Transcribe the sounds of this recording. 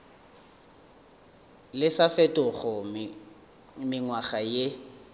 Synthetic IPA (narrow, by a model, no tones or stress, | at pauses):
lɪsafɛtʼʊɣɔ | mɪŋwaɣaje